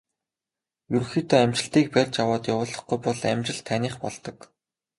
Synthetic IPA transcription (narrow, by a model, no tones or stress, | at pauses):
juɾ̆xiːt̪ɔːæmt͡ɕɪ̆ɬt̪iːk̚pærʲt͡ɕjawaːt̪jawʊːɮɞ̆χɡujpɔɮæ̰mt͡ɕɪ̆ɮt̪ʰːæniːχpɔ̰ɮt̪ɞ̆k